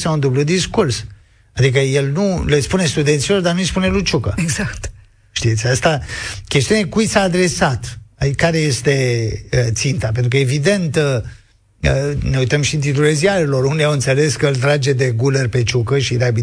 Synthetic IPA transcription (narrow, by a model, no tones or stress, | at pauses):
saund̪ublud̪iskurs | ad̪ikəje̞lnule̞spune̞st̪ud̪ensilo̞rd̪arnuijspune̞lut͡ʃukəeɡzakt̪ | ʃt̪ijet̪sʲast̪akʲest̪iuneekujsaːd̪ɾe̞sat̪akaɾe̞je̞st̪e̞ət̪sint̪apent̪ɾukəevid̪e̞nt̪ | əne̞uijt̪əmʃint̪it̪ɾuleziaɾelo̞rund̪eawɨnt̪se̞le̞skəɨlt̪ɾad͡ʒe̞d̪e̞ɡulerʲpe̞t͡ʃukəʃid̪abi